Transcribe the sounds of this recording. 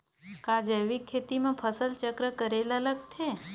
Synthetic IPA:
kad͡ʒəʋikʰːet̪imãpʰəsəlt͡ʃəkɾəkəɾelalək̚t̪ʰe

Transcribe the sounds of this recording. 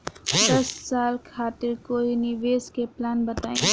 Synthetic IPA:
d̪ʌssalkʰat̪iɾkoiniʋeskeplanbət̪aːĩn

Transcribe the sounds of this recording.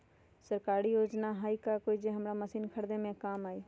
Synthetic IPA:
səɾkaːɾijoːd͡ʒnaɦaːikakoːid͡ʒeɦəmɾaːməsiːnkʰəɽd̪emẽkaːmaːiː

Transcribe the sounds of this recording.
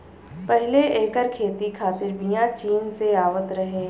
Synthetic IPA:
pɛɦleʔeːkəɾkʰeːt̪ikʰaːt̪ɪɾbʱijãt͡ʃiːnseaːʋət̪ɾɐɦẽː

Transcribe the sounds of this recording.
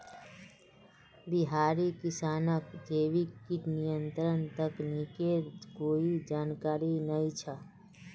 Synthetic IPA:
bɪɦaːɾikɪsaːnəkd̪eːʋikːinijə̃nt̪ɾənt̪əknikeɾkoːid͡ʒaːnkaːɾinəĩt͡ʃʰa

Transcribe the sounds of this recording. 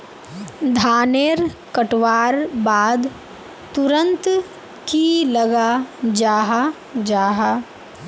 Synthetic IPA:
d̪ʱaːneːɾkəʈʋaːɾbaːd̪ | t̪ʊɾə̃nt̪ | kilɐɡad͡ʒaːɦa | d͡ʒaːɦaː

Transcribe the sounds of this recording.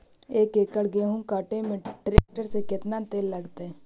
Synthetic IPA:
eːkeːkəɽɡeɦũkaːʈemẽʈɾeːk̚ʈəɾsekɪt̪nat̪eːlːəɡt̪eɛː

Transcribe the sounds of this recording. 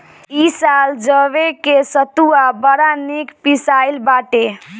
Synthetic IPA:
isald͡ʒəβekesət̪uabəɾanikpisailbaʈe

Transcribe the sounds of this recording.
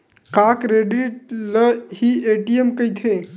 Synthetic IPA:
kakɾeɖiʈ̚ləhieʈiemkəjt̪ʰe

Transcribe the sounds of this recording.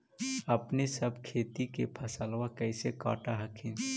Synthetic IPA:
əpnesəbkʰeːt̪ikepʰɐsəlwakəɪseka̰ːʈaɦəkʰin

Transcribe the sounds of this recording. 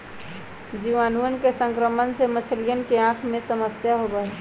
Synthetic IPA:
d͡ʒiʋanuənkesə̃ŋkɾəmənsemət͡ʃʰəlijənkeãkʰmesəməsjaɦobəɦɛ

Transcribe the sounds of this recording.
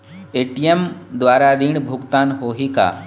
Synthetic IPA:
eːʈiemd̪ʋaːɾaɾiːɳ̃bʱʊɡt̪aːnɦoːɦika̰ː

